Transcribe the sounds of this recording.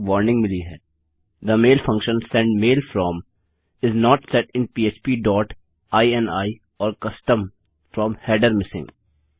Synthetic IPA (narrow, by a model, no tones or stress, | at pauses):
ʋɔːɾnɪ̃ŋɡmɪliɦɛː | d̪əmeːlfɐ̃ŋkʃə̃nsɛ̃ɳɖmeːlfɾɔːm | ɪznɔːʈsɛʈɪ̃npiːet͡ʃpiːɖɔːʈ | aːiɛ̃naːi | ɔːɾkɐsʈə̃m | fɾɔ̃ːmhɛːɖəɾmɪsɪ̰̃ŋɡ